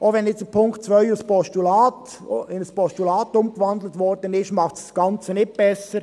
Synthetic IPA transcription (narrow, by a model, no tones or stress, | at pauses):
ʔoʋɛnɪt͡sdəpʰʊŋktt͡sʋœʏuspɔʃtulɑːt | ɪnəspɔstulɑːt̪ʊmkʋɑnd̪lətʋɔrd̥ənɪʃmɑχtssɡ̥ɑnt͡sənɪt̚b̥ɛsəɾ